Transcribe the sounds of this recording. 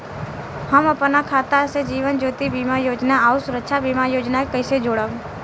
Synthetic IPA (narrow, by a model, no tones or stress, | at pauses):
həməpənakʰaːt̪ased͡ʒiːʋənd͡ʒoːt̪ibiːmajoːd͡ʒnaaːusʊɾəkʃʰabiːmajoːd͡ʒnakəɪsed͡ʒoːɽə